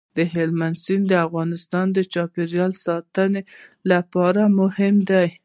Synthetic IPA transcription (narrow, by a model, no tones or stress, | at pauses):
d̪əɦɪlmansind̪əafɣɑnɪst̪ɑnd̪ət͡ʃɑpeɾjɑlsɑt̪ənelapɑɾamʊhɪmd̪aj